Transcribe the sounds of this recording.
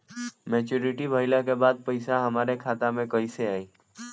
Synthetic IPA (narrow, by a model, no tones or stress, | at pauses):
mɛːt͡ʃuːɾɪʈibʱəɪlakebaːd̪̚pɐɪsaɦɐmaːɾekʰaːt̪amẽkɐiseaːiː